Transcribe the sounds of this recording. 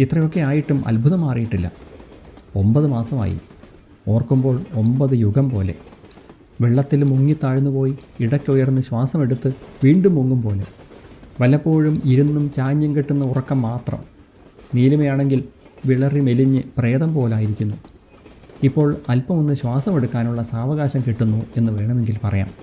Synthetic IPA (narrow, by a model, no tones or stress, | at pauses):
it̪rɐjo̞kːe̞aːjiʈːumʔɐ̰lbʱuðɐmaːrijiʈːilːɐ̰ | o̞mbɐðɨmaːsɐma̰ːjḭ | o̞ːrkːumbo̞ːɭo̞mbɐðɨjuɣɐmpo̞ːle̞̰ | ʋeɭːɐt̪ːilmuŋːit̪ːaːɻunːupo̞ːji | iɽɐkʲːujɐrunːɨɕwaːsɐme̞ɽut̪ːɨʋiːɳɖumːuŋːumpo̞ːlḛʋɐlːɐpːo̞ːɻumiɾunːumt͡ɕaːɲːɐmkiʈːunːɐurɐkːɐmːaːt̪rɐ̰m | niːlumejaːɳe̞ŋɡilʋiɭɐrime̞liɲːɨpre̞ːðɐmpo̞ːlaːjiɾikʲːunːu | ipːo̞ːɭɐlpɐmonːɨɕwaːsɐme̞ɽukːaːnuɭːɐsaːʋɐɣaːɕɐmkiʈːunːue̞nːɨʋe̞ːɳɐme̞ŋɡilpɐrɐ̰ja̰ːm